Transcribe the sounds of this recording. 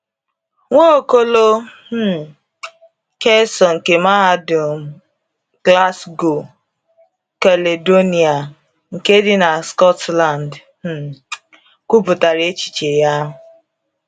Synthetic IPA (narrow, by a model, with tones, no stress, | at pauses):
ŋʷo˦o˨ko˦lo˦˨ | ke˦sɔ˨ŋ̩˨ke˨ma˦ɦa˦dʊ˨m̩˨ | ɡla˦sɡo˨ | ka˨le˨do˦ni˨a˨ | ŋ̩˨ke˦dɪ˦na˨skɔ˦tla˨nd̩˦˨ | kʷu˦bʊ˨ta˨ɾe˦e˦t͡ʃi̥˨t͡ʃe˨ja˦ɦʊ˨